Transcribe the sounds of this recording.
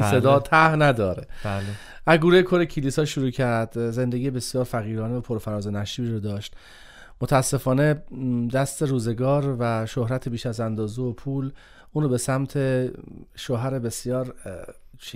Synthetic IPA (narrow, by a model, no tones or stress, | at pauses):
sed̪ːt̪ʰæhnæd̪ɒːɾeæl | æɡuːɾejekʰoɾecʰiliːsɒːʃuɾuːcʰæɾd̪ze̞nd̪eɡijebe̞sjɒːɾfæɣiːɾɒːneopʰoɾfæɾɒːzenæʃiːbiɾod̪ɒːʃt̪ | mot̪ʰææsːe̞fɒːne̞d̪æst̪e̞ɾuːze̞ɡɒːɾvæʃohɾæt̪ʰebiːʃæzænd̪ɒːzeopʰuːl | ʔuːnɾobe̞sæmt̪ʰe̞ʃoɦæɾebe̞sjɒːɾ